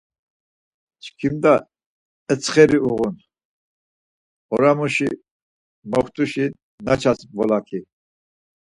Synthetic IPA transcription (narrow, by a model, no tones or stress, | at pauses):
t͡ʃʰkʰimd̪a | ət͡sχɛɾiuɣun | ɔ̰ɾamuʃi | mɔχt̪ʰʼuʃi | nat͡ʃʰasbɔlakʰi